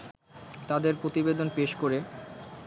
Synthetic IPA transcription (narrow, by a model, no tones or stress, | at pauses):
t̪ad̪eɾpɾot̪ibed̪onpeʃkoɾe